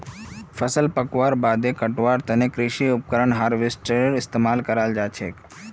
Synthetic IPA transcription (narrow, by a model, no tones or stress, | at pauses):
fʰəsəlpəkʋaɾbad̪ekəʈʋaɾt̪ənekɾɪʃiʊp̚kəɾəɳɦaɾʋɪsʈeɾɪst̪emaːlkəɾald͡ʒat͡ʃʰḛk